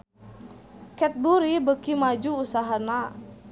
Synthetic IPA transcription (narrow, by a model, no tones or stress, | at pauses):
kɛt̪̚buɾibəkimad͡ʒuːsaɦana